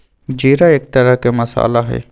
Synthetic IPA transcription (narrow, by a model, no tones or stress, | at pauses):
d͡ʒeːɾaeːk̚t̪ɐɾəkemɐsa̰ːlaɦɛ̰ː